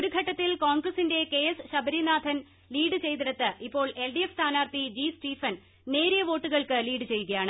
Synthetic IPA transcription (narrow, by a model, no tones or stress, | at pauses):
oɾuɡʱɐʈːɐt̪ːilkoːŋɡrɐsinde̞ke̞ːesɨɕɐbɐɾinaːd̪ʱɐn | liːɖɨt͡ɕe̞jt̪iɽɐt̪ːɨʔipːo̞ːɭe̞lɖijefst̪ʰaːnaːrt̪id͡ʑiːsʈiːfɐn | ne̞ːɾijɐʋo̞ːʈːuɣɐɭkɨliːɖɨt͡ɕe̞jːuɣɐjaːɳɨ